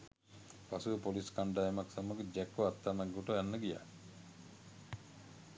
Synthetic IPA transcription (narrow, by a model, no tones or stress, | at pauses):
pasupoliskaɳɖaemɐksaməɡed͡ʒɛkːoat̪ːamaɡːuʈoɛnːəɡija̰